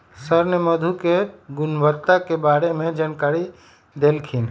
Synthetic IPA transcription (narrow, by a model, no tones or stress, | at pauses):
səɾnəməd̪ʱukeɡunbət̪ːakebaɾemed͡ʒankaɾi | d̪elkʰin